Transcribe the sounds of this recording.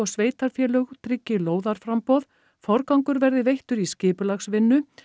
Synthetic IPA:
ɔɣsveːjt̪aɾ̥fjɛːlœɣt̪ɾɪcːɪloːwðaɾ̥fɾampɔð | fɔɾkawŋkʏɾvɛɾðɪvejht̪ʏɾiscɪːpʏlaxsvɪnːʏ

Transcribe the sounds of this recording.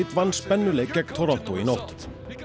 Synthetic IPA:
ɪt̪ʋɑnspɛnəlekɛkt̪ʰɔɾɔnt̪ʊinɔt̪

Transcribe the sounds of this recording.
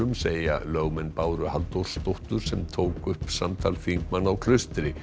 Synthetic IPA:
ʏmseːja̰lœɣmɛnpaːwɾʏhalt̪owɾ̥st̪owht̪ʏɾ̥sɛmt̪ʰoːwkʏhpsamt̪ʰalfiŋkmanːawkʰl̥ʏst̪ɪɾɪ

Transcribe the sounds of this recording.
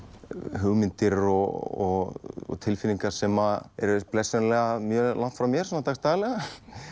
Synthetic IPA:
ɦʏɣmɪnt̪ɪɾɔɣɔɣɔ̰t̪ʰɪlfɪliŋkḁsɛmaɛɾplɛsɛnlɛɣamjœːlan̥t̪fɾawmjɛɾ̥sɔnat̪ʰaxst̪aːɣlɛɣa

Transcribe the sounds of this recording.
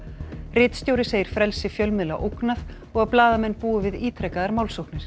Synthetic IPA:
rɪt̪st̪joːwɾɪseːjɪɾ̥fɾɛlsɪfjœlmɪla̰ʔowknað | ɔɣaplaːðamɛnːpuːʏvɪðiːt̪ʰɾɛkaðaɾmawlsowknɪɾ̥

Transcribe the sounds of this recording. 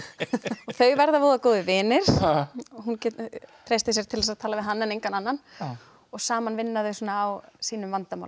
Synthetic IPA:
ɔɣθœɥvɛɾðavoːðakoːwðʏvɪːnɪɾ̥ɔɦunct̪ʰɾejst̪ɪsjɛɾ̥t̪ʰɪlðɛsaðt̪ʰaːlavɪðɦanːanejŋkananːan | ɔɣsaːmanvɪnːaðœɥsuːnaːwsiːnʏmvant̪ama̰wl

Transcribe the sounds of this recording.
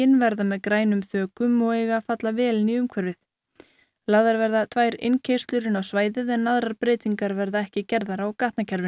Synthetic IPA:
ɪnvɛɾðamɛðkɾaːjnʏmθœːkʏmɔɣeːjɣafat̪lavɛːlɪniʏmkʰvɛɾvɪθ | laðaɾvɛɾðat̪ʰvaːjɾḛjncʰej̥st̪lʏɾɪnawsvaːjðɪðɛnːaðɾaɾpɾeːjt̪iŋkaɾvɛɾðaɛhcɪcɛɾðaɾawkaht̪nacʰɛɾvɪ

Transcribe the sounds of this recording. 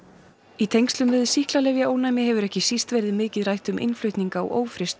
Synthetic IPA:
it̪ʰejŋkst̪lʏmvɪðʏsihklalɛvjaoːwnajmɪɦɛvʏɾɛhcɪsist̪vɛɾðɪmɪːcɪðrajht̪ʏmʔɪ̰nflœɥht̪niŋkaɔ̰ʔoːwfɾɪst̪

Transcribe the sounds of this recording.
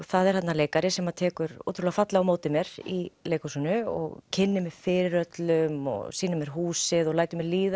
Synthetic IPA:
θaðɛɾ̥hat̪naleːjkaɾɪsɛmat̪ʰɛːkʏɾo̰ːt̪ɾʏlɛɣafat̪laamoːwt̪ɪmjɛɾḭleːjkɔsunʏɔ̰ɣcʰɪnːɪmɛð̥fɪːɾɪɾœt̪lʏmɔ̰ɣsiːnʏmɛɾ̥ɦuːsɪðɔɣlaːjt̪ʏmɛɾliːð

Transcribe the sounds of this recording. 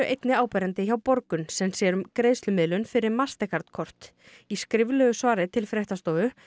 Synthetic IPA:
ʏʔejt̪nɪaːwpɛɾant̪ɪçawpɔɾkʏnsɛmsjɛːɾʏmkɾeðst̪lʏmɪðlʏnfɪɾɪɾmast̪ɛkʰaɾt̪kʰɔr̥t̪ | iskɾɪvlœɣʏsvaːɾɪt̪ʰɪlfɾɛht̪ast̪oːvʏ

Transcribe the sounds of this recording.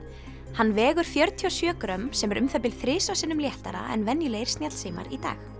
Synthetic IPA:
hanːvɛːɣʏɾ̥fjœɾt̪ʰiɔsjœːkɾœmsɛmɛɾʏmθɛp̬ɪlθɾɪːsasɪːnʏmljɛht̪aɾa̰ʔɛ̰nvɛnːjʏlejɾ̥snjat̪l̥siːma̰ɾit̪a̰ːx

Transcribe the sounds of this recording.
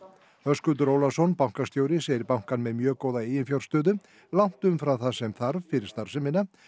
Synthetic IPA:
hœskʏt̪ʏɾoːwlasɔnpawŋ̥kast̪jowɾɪseːjɪɾpawŋ̥kanmɛðmjœːkoːwðaeːjɪnfjawl̥st̪œːðʏ | lawn̥t̪ʏmfɾawθasɛmθaɾvfɪɾɪɾ̥st̪aɾ̥sɛmɪna

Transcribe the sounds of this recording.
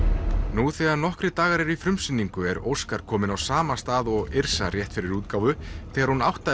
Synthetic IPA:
nuθɛːɣaɾnɔhkɾɪt̪aːɣaɾɛɾifɾʏmsɪnːiŋkʏɛɾo̰wskaɾ̥kʰɔːmɪnawsaːmast̪aːðɔɣɪɾ̥sarjɛht̪fɪɾɪɾuːt̪̚kawvʏθɛːɣaɾ̥hunawht̪a

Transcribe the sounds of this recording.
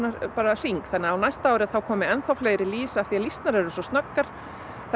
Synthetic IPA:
napaːɾar̥iŋkθɛnːɪaðawnajst̪aaːwɾɪθawkʰɔːmɪɛnθawflejɣɾɪliːsaθialist̪naɾɛɾʏsɔst̪nakːaɾ̥ | θ

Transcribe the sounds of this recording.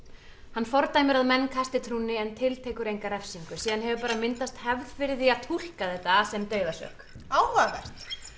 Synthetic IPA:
hanːfɔɾt̪aːjmɪɾaðmɛnːkʰast̪ɪt̪ʰɾuːnɪɛnt̪ʰɪlt̪ʰeːkʏɾejŋkaɾɛfsiŋkʏsiːðanɦɛvʏpaːɾamɪnt̪ast̪hɛvðfɪɾðɪat̪ʰul̥kaθɛht̪ːaːsɛmt̪œːɥðasœ̰hk | aːwhakast̪

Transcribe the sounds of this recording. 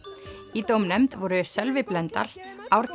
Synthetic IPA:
it̪owmnɛmt̪vɔɾʏsɛlvɪplɛnt̪a̰ɾawɾ

